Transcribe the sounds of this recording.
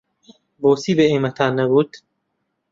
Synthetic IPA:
boːsiːbeeːmat̪ʰaːnɛbuːd̪̥

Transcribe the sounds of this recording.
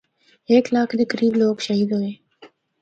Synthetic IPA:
eːklɑːkd̪əkɾiːbloːkʃaɦid̪owe

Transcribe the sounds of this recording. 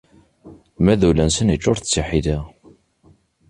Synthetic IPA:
mæðulænsənit͡ʃːʊɾθə̥t͡sːiħiðæ

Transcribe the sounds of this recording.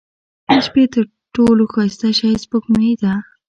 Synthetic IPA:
aʃpet̪əɾ | ʈoloxɑst̪aʃɑjspoknəid̪a

